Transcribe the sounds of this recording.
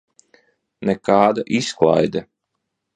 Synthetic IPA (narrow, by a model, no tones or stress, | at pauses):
nɛkaːd̪aʔisklˠa̰jd̪ɛ